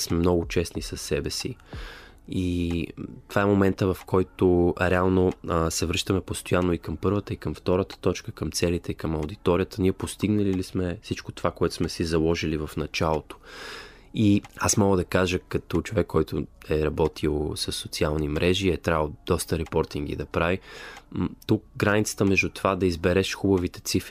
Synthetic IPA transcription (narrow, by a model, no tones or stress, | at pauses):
smɛmnɔɡʊt͡ʃɛsnisɐsːɛbɛsi | i | t̪ovaɛmomɛnt̪əvɐfkʰɔjt̪oɾɛalˠnosɛvɾɤʃt̪əmɛpost̪ojanːoikəmpɤɾvət̪əikəmft̪ɔɾət̪ə̥t̪ɔt͡ʃkəkəmt̪sɛlit̪ɛikəmɐwd̪it̪ɔɾʲijət̪əniɛpost̪iɡnəlilismɛfsit͡ʃko̥t̪ovakoɛt̪o̥smɛsizɐlˠɔʒilivɐfnɐt͡ʃalˠot̪o̥ | iasmɔɡəd̪ɐkaʒəkɐt̪ɔt͡ʃovɛkːɔjt̪ʊɛɾɐbɔt̪ʰilˠsəsːot̪sialˠnimɾʔɛʒiɛt̪ɾavəd̪̥ɔst̪əɾɛpɔɾt̪iŋɡḭd̪ɐpɾavi | t̪uk̚ɡɾanit̪sə̥t̪əmɛʒd̪ut̪ovad̪ɐizbɛɾɛʃxubəvit̪ɛ̥t̪sifɾi